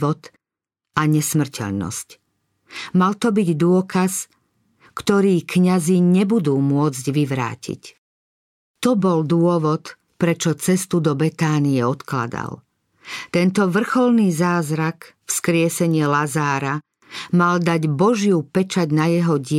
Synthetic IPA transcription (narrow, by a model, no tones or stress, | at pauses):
ɔt̪ | aɲɛsmr̩cʰɛ̰ʎnɔ̰sc | malt̪ɔbiɟd̪ʊɔkas | kt̪ɔɾiːkɲaziɲɛbud̪uːmʊɔd͡zɟʋiʋɾa̰ːcʰḭc | t̪ɔbɔld̪ʊɔʋɔt̪ | pɾɛt͡ʃɔt͡sɛst̪ud̪ɔbɛt̪aːniɛɔt̪kla̰d̪a̰l | t̪ɛnt̪ɔʋr̩xɔlniːzaːzɾak | fskɾɪɛsɛɲɪɛlazaːɾa | mald̪aɟbɔʒjupɛt͡ʃaɟnajɛɦɔɟɪ